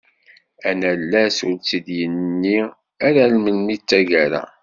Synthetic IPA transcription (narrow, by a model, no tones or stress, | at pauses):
ænælːæsuɾt͡sːid̪jənːi | aɾælmənmit͡sːæʝæɾa̰